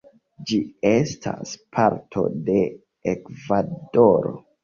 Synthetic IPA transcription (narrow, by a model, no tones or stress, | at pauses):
d͡ʒiestʰaspʰaɾtʰo̞̰de̞ | ekvadoɾo̰